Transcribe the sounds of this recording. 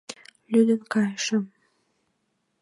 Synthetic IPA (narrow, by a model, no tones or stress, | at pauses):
lyd̪ənkɑjʃəm